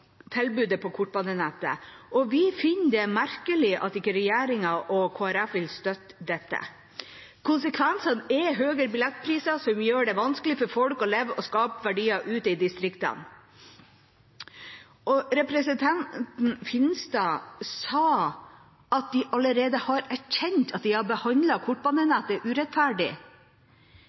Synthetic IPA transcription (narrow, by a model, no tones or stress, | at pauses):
t̪ʰɛlbʉːd̪əpʰɔkʰʊʈbɑnd̪ənɛt̪ːə̰ʔɔʋɪfɪnːd̪ɛmæɾkəlɪʔɑ̰t̪ɪkːəɾɛjæːɾɪŋɑʔɔkʰoːæɾæfʋɪlst̪œt̪ːd̪ɛt̪ːə̰ | kʰʊnsəkʰʋɛnsɑnɛɦøːɡəɾbɪlɛt̪ːpʰɾiːsɑsɔmjøːɖɛʋɑnskəlɪfɔɾfɔlkɔlɛʋɔskɑːpʋæɖiːɑʔʉːt̪ɪd̪ɪst̪ɾɪkt̪ɑ̰n | ɔɾɛpɾɛsənt̪ʰɑnt̪n̩fɪnst̪ɑsɑː | ɑt̪̚d̪ɪʔɑləɾeːd̪əhɑɾæçɛnt̪ɑt̪̚d̪ɪhɑbəhɑnd̪lɑkʰʊʈ̚ːbɑnənəɑt̪d̪ɛʔʉːɾɛt̪fæːɖɪ̰